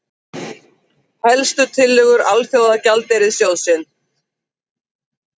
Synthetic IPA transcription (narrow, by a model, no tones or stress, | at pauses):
hɛlst̪ʏt̪ʰɪlːʏɣʏɾalfjoːwðacalt̪ejɾɪðsjowðsɪn